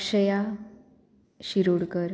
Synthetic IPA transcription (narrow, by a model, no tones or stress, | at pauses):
ɕəja | ɕiɾuɽkəɾ